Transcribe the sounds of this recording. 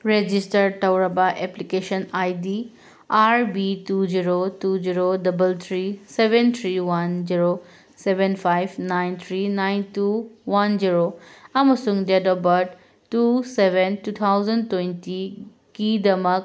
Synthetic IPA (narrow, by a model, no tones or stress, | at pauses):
ɾed͡ʒisʈəɾɖ̚ʈɐwɾɐbaʔeplikeʃənaːjd̪iː | aːɾbituːd͡ʒiɾotuːd͡ʒiɾoɖɐbəlt̪ʰɾiseʋent̪ʰɾiːʋɐnziɾo | seʋenfajʋnaɪnt̪ʰɾinaɪnt̪uːʋɐnd͡ʒiɾoɐmɐsũŋɡd͡ʒedɔbɐʈ | tuːseʋentuːt̪ʰawzɐnɖtwẽnti | kid̪ɐmək̚